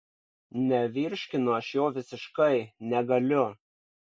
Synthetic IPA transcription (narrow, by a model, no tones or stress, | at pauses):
nʲɛʋʲɪɾʲʃʲkʲɪnʊɐʃjoːʋʲɪsʲɪʃkɐɪnʲɛɡɐlʲʊ